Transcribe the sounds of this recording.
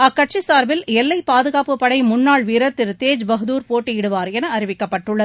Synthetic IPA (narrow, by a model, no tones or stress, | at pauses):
ɐkːɐʈ̚t͡ʃisaːɾbɪlɛlːɐɪpaːðɯɣaːpɯpːɐɽɐɪmʊnːaːɭʋiːɾɐɾt̪ɪɾt̪eːd͡ʒbɐɣɯðuːɾpoːʈːijɪɽɯʋaːɾɛnɐɐɾɪʋɪkːɐpːɐʈːɯɭːɐð